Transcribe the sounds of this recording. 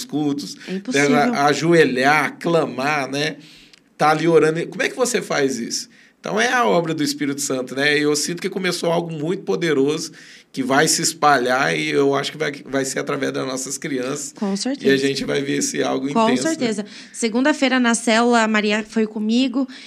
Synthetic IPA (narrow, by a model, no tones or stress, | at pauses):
skut̪ʊsɛĩposɛaaʒueʎaklɐ̃manɛ | t̪alioɾɐ̃nd̪komʊɛkɪvosefajzḭsʊ̥̃ | t̪ɐ̰̃w̃ɛɐɔbɾɐd̪ʊispiɾit̪ʊ̥sɐ̃nt̪ʊnɛewsĩnt̪ʊ̥kɪkõmesoawɡʊmũj̃t̪ʊ̥pod̪eɾozʊkɪvajsɪːspaʎaɪewaʃʊ̥kɪvajvajseɾat̪ɾavɛzd̪ɐznɔsɐskɾiɐ̃sɐ̥skõseɾt̪ɪaʒẽt͡ʃɪvajveɾesɪa̰wɡʊĩõẽseɾt̪ezɐ | seɡũnd̪ɐfejɾɐnɐsɛlulɐmaɾiɐfojkõmiɡʊ